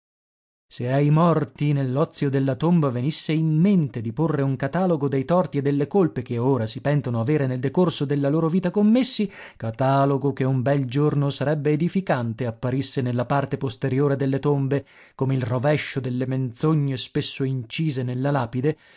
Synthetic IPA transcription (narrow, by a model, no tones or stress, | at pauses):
seajmɔrt̪inelːɔt̪sːjod̪elːat̪ombavenisːeimːent̪ed̪iporːeuŋkat̪aːloɡod̪ejt̪ɔrt̪ied̪ːelːekolpekeoːɾasipɛnt̪onoaveːɾeneld̪ekorsod̪elːaloːɾoviːt̪akomːesːi | kat̪aːloɡokeumbɛld͡ʒornosaɾɛbːeːd̪ifikant̪eapːaɾisːenelːapart̪epost̪eɾjoːɾed̪elːet̪ombe | komeilrovɛʃːod̪elːement̪soɲːespesːoint͡ʃiːzenelːalaːpid̪e